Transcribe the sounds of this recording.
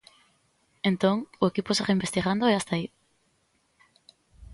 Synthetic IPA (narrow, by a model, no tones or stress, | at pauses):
ent̪õŋʊekiposereimbest̪iɣand̪oeast̪ai